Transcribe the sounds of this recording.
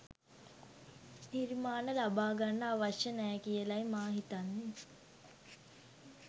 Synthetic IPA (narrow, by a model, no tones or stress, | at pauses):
niɾimaːnəlabaːɡanːəaʋaʃjənɛːkijəlajmaːɦit̪anːe